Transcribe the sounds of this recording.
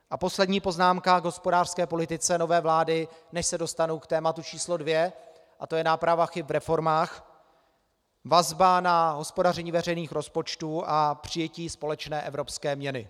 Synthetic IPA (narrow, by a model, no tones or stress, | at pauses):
ʔapo̞slɛdɲiːpo̞znaːmkaɡɦo̞spo̞daːr̥skɛːpo̞lɪt̪ɪt͡sɛno̞vɛːvlaːdɪnɛʃsɛdo̞st̪anowkt̪ɛːmat̪ut͡ʃiːslo̞dvjɛ | ʔat̪o̞jɛnaːpɾavaxɪpvɾɛfo̞ɾmaːx | vazbanaɦo̞spo̞darɛɲiːvɛrɛjniːxɾo̞spo̞t͡ʃt̪uːʔapr̝̥ɪjɛciːspo̞lɛt͡ʃnɛːʔɛvɾo̞pskɛːmɲɛnɪ